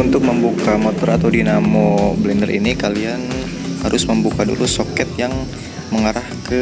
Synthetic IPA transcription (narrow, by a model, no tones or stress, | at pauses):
unt̪ʊk̚məmbukamot̪ɔɾat̪awdinamoblindəɾʔḭnikalian | haɾʊsməmbukadṵlusokɛt̪̚jaŋ | məŋaɾahkə